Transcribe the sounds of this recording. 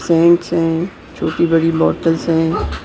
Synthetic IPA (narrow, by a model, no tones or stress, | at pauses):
sɛ̃ːɳʈsɦɛ̃ | t͡ʃʰoːʈibɐɽibɔːʈəlsɦɛ̃ː